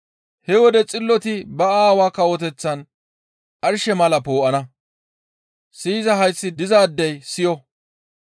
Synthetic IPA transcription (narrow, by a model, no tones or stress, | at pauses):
hɛwɔd̪ɛt͡sʼɪlːɔt̪ɪbɐaːwaːkːɐwɔt̪ɛt͡sːɐn | ʔɐɾʃɛmɐlɐpoːʔɐnɐ | siːzɐɦɐjsːɪd̪ɪzaːd̪ːɛjsɪjɔ